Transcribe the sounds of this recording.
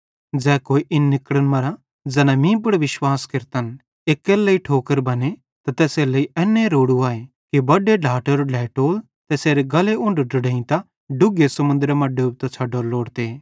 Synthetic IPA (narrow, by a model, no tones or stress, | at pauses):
d͡zɛːkoːiʔɪnːɪkɽənmɐɾa | d͡zɐnãmĩːp̬əɽʋɪʃwaːskɪɾt̪ən | eːkːeːlɐiʈʰoːkəɾbɐne | t̪at̪ɛːselɐiʔɛːnːẽɾoːɽuaːe | kibɐɖeɖʱaːʈəɾolʱɛːʈoːl | t̪ɛːseːɾeɡɐleʊ̃ɳɖɖʊɽẽːĩt̪a | ɖʊɡesɐmʊ̃nd̪ɾemãɖeːb̚t̪at͡ʃʰɐɖoːloːɽt̪e